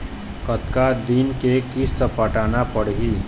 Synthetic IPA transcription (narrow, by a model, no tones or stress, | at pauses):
kət̪kad̪inkekist̪ʰəpəʈanapəɽɦi